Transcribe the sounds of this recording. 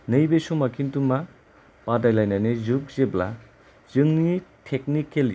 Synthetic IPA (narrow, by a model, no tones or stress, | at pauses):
nɯjbesumakʰintuma | padajlajnanezuk̚zebla | zɯŋnitʰek̚nikelj